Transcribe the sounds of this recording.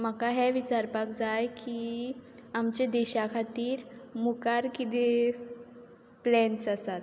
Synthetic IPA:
makaɦɛʋit͡ɕaɾpakd͡zajki | amt͡ɕed̪ɛɕakʰat̪iːɾmukaɾkit̪e | plɛnsasat̪

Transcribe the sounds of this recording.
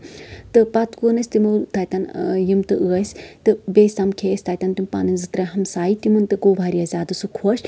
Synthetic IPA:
t̪ɨpɐt̪kunɐsʲt̪imɨt̪ajt̪ɐnjimt̪ɨʔɨɐsʲt̪ɨbesʲt̪amkʰeːsʲt̪aːjt̪ɐnt̪impa̰ːnɨnʲzɨt̪ɾaɦɐmsaːjit̪imɨnt̪ɨɡoːbʱaːɾiɐzʲaːd̪ɨsɨkʰoːʃ

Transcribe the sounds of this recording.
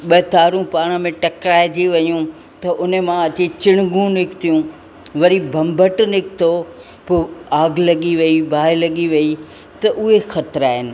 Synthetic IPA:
ɓɐːt̪aːɾũpaːɽ̃ə̆mẽʈɐkɾaːɪd͡ʑiʋɐjũ | t̪ɐʔʊnmãɐt͡ɕit͡ɕɪɽ̃ɡũnɪkt̪ʰijũ | ʋɐɾibʱɐ̃mbʱəʈnɪkt̪ʰo | poaːɡʱlɐɠiʋɐibʱaːɪlɐɠiʋɐi | t̪ɐʔʊɦexɐt̪ɾaːɦɪnɪ̆

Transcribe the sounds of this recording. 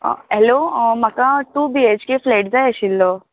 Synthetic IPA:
ɛlomɐkãʈubieːt͡ʃkefleːʈzaʃilːoː

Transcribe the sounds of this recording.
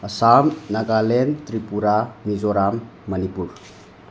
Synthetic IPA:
ɐsamnaɡalent̪ɾipuɾamizɔɾamː | ɐnipuɾ

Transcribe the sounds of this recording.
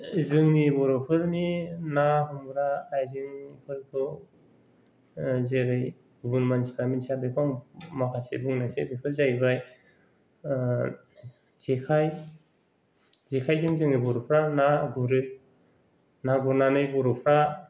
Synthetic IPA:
zɯŋnibɔɾɔpʰɯɾninaɦumbɾaːjzɯŋpʰɯɾkʰɯ | zeɾɯj | bunmansi̥pʰaminsabekʰɔŋmakʰasḛbɯŋnasḛbipʰɯɾzajbaj | z̥ekʰaj | zekʰajzɯŋzɯŋnibɔɾɔpʰɾanaɡuɾɯ | naɡuɾnanɯjbɔɾɔpʰɾa

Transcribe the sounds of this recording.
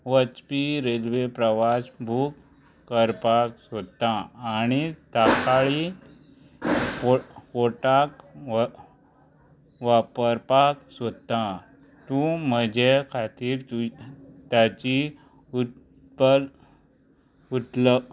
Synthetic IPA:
ʋət͡ɕpiɾelʋepɾəʋasbʱuːk | kːəɾpaksot̪aːñit̪akaɭi | ofoʈak | ʋapəɾpaksot̪a | t̪ũməd͡ʑʱekʰat̪iːɾut̪jat͡ɕi | u | pəl | ut̪ləb

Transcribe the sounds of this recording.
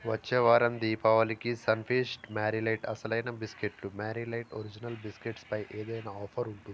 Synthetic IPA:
ʋɐt͡ʃːeːʋaːɾɐmd̪iːpɐʋɐlikisɐnpʰeːsʈmaːɾilɐjʈɐ̰sɐlɐjnɐbiskeʈlumaːɾilɐjʈo̰ɾid͡ʒinɐlbiskeʈspɐjʔeːd̪ɐjnɐɔːpʰɐɾuɳʈuni

